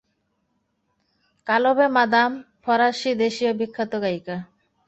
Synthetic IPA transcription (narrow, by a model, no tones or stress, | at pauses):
kalobemad̪am | pʰɔɾaʃid̪eʃiobikʰːat̪oɡajka